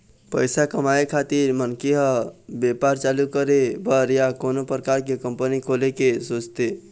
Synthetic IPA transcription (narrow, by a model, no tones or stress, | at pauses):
pəɪsakəmaːekʰaːt̪ɪɾmənkeɦə̃beːpaːɾt͡ʃaːlukəɾebʱəɾjakoːnopɾəkaːɾkekə̃mpənikʰoːlekesoːt͡ʃt̪eː